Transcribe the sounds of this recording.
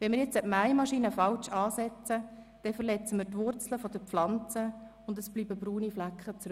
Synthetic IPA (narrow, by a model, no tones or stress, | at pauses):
ʋɛnmɪːɾjɛt͡sːɛpmæɪmɑʃiːnəfɑlt͡ʃɑːsɛt͡sə | d̥ɛfəɾlɛt͡səmɪːɾtʋʊrt͡sləfod̥̪əpflɑnt͡səʊndəsb̥liːbəbruːniflækχət͡sɾ